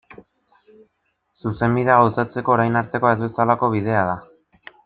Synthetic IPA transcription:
suse̞mbiðe̞aɣ̞awsat͡se̞ko̞ːɾajnaɾt̪e̞koe̞zβe̞salako̞β̞ið̞e̞aða

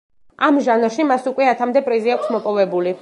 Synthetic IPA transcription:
amʒanɾʃimasukʼwɛat̪ʰamd̪ɛpʼɾiziakʷʰsmɔpʼɔvɛbuli

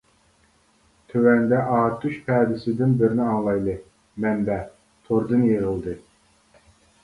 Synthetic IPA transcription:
t̪ʰøwɛnd̪ɛʔɑːt̪ʰːuʃpʰɛːd̪ɪsɪd̪ɪnbɪɾnɪɑŋlˠɑjlˠɨ | mɛmbɛ | t̪ʰoɾd̪ɨnjeʁəlˠd̪ɨ

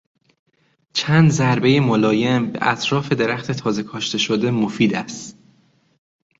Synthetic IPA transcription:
t͡ʃʰænd̪zæɾbe̞jemolɒːje̞mbe̞̰ʔæt̪ʰɾɒːfe̞d̪e̞ɾæxt̪ʰe̞t̪ʰɒːze̞kʰɒʃt̪e̞ʃod̪e̞mofiːd̪æst̪

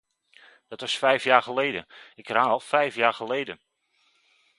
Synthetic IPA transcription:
d̥ɑtʋɑsfɛjfjaːɹχəlejdənɪkraːɔlˠfɛjfjaːɹχəlejdən

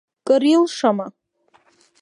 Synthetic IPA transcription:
kʼɨɾilʂama

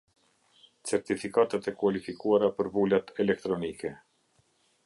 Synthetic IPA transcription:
t͡sɛɾt̪ifikat̪at̪ɛkuwalifikuaɾapəɾvulat̪ɛlɛk̚t̪ɾɔnikɛ

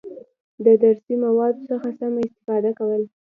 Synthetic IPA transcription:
d̪əd̪aɾsimawɑd̪osəxasamaɪst̪ɪ̥fɑd̪akawəla

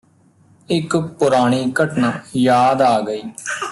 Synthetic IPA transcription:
ɪkpʊɾaːɽ̃iːkəʈnaːjaːd̪aːɡəiː

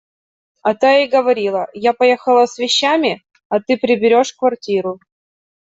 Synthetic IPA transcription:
ɐt̪aɪɡəvɐɾʲilˠəjapɐjexəlˠəsvʲɪɕːamʲɪ | ɐt̪ɨpɾʲɪbʲɪɾʲo̞ʂkvɐrtʲiɾʊ

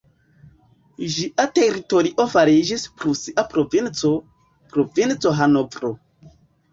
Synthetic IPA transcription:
ʒiʔate̞ɾito̞ɾiʔo̞faɾid͡ʒispɾusiʔapɾovint͡so | pɾovint͡so̞ɦanovɾo

